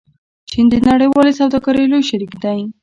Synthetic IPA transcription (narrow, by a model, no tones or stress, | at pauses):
t͡ʃind̪ənaɽəjwɑlesawd̪ɑɡɑɾejlojʃaɾikd̪aj